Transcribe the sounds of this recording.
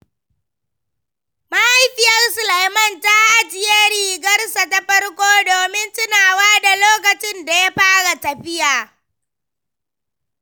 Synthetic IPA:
ma˦ʔa˦jɸɪ˦jɐ˦rsʊ˨la˨jmɐ˦˨nta˦ʔa˦d͡ʒɪ˨ja˦ɽiː˨ɡɐ˦rsa˨ta˨ɸɐ˦rkʷoː˦doː˨mɪ˦ntʊ˦naː˨waː˦da˨loː˦kɐ˨t͡ʃɪ˦nda˨ja˦ɸaː˦ɽa˨tɐ˨ɸɪ˦jaː˨

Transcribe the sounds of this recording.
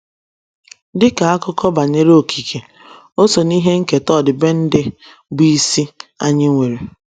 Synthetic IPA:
dɪ˦ka˨a˦kʊ˦kɔ˦ba˨ɲe˦ɾo˨ki˨kʰe˨ | o˦so˨ni˦ɦe˦ŋ̩˦ke˨tɔ˦˨dɪ˨be˦n̩˦dɪ˦ | bi˦si˦a̰˦ɲɪ˦ŋʷe˨ɾe˨

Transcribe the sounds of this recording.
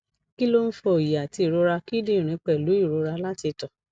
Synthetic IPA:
ki˦lo˦n̩˦fɔ˧o˨ja˨ti˧i˨ɾo˧˦ɾa˧ki˦de˦˨ɾ̃ĩ˨˦k͡pɛ˨lu˨˦i˦˨ɾo˨˦ɾa˧la˦ti˧tɔ˨

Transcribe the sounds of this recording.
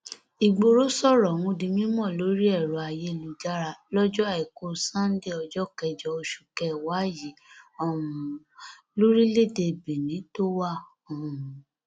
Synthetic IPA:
i˨ɡ͡bo˨ɾo˦sɔ˦˨ɾɔ˨wũ˧dĩ˧mĩ˦mɔ̃˦˨lo˨˦ɾi˦ɛ˦˨ɾɔ˨a˨je˧lu˨d͡ʒa˦ɾa˧˨lɔ˦d͡ʒɔ˦a˨i˨ko˧sã˦n˦de˦ɔ˧d͡ʒɔ˦kɛ˧d͡ʒɔ˧˦o˧ʃu̥˨kɛ˦˨wa˨˦ji˨˦ɔ˦˨uũ˨ | lo˦ɾi˦le˦˨de˧˨be˨nĩ˨˦to˦wa˦˨ | ɔ̃˨u˨

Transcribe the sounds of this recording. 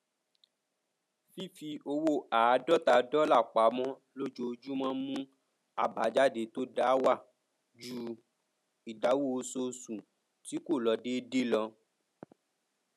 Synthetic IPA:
fi˦fi˧ʔo˧wo˦ʔa˨˧˦dɔ˦ta˧dɔ˦la˦˨k͡pa˨˦mɔ̃˦ | lo˦d͡ʒo˧d͡ʒu˦mã˦mũ˦ | a̰˨ba˨˦d͡ʒa˦de˧˦to˦da˦wa˦˨ | d͡ʒu˦ | i˨da˨˦wo˦˨˧so˧sũ˨ | ti˨˦ko˦˨lɔ˧de˦de˦lɔ˧

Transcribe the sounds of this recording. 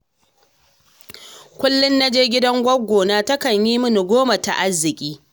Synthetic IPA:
kʷʊ˦lːʊ˦nːa˦d͡ʒeː˦ɡʲɪ˦dɐ˦ŋɡʷɐ˦ɡʷːoː˨naː˦tɐ˦kɐ˨ɲjiː˦mʊ˦ni˨ɡʷoː˦ma˨ta̰˨ʔa˦zːɪ˨kʲʼiː˦

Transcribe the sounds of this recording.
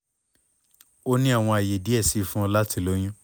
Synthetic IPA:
o˦nĩ˦a˦˨w̃ɔ̃˧a˨je˨di˨˦ɛ˦˨si˨˦˨fũ˦ɔ˧la˦ti˧˦˨lo˨˦j̃ũ˦

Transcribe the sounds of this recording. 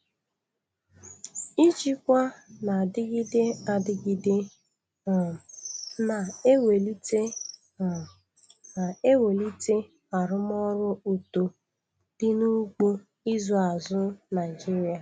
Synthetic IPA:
i˦t͡ʃi˦kʷa˦na˨dɪ˦ɡi˦de˦a˨dɪ˦ɡi˦de˦˨ | na˨e˦we˨li˦te˦˨ | e˦we˨li˦te˦ | a˨ɾʊ˦m˦ɔ˦ɾʊ˦u˨to˨ | d̥ɪ˦nu˦ɡ͡bo˦ | i˦zo˨a˨zʊ˦na˨ɪ˨d͡ʒi˦ɾja˨

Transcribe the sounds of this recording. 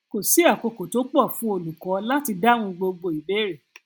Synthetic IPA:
ko˨si˨˦a˦˨ko˧ko˨to˨˦k͡pɔ˦˨fũ˦o˧lu˨kɔ̃˨˦la˦ti˧da˦w̃ũ˧ɡ͡bo˧ɡ͡bo˧˨i˨be˨˦ɾɛ˨

